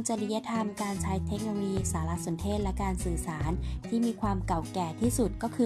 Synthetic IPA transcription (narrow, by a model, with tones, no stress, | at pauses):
ŋt͡ɕa˨˧li˧˥ja˦˥t̪ʰa˧mkaː˧nt͡ɕʰaː˦˥jt̪ʰe˦˥k̚noː˧lo˧jiː˧saː˩˦la˧˥so˨˩˦nt̪ʰeː˥˩t̪̚lɛ˦˥kaː˧nsɯː˨˩saː˩˦nt̪ʰiː˥˩miː˧kʰwaː˧mka˨˩wkɛː˨˩t̪ʰiː˥˩su˨˩t̪̚kɔː˥˩kʰɯː˧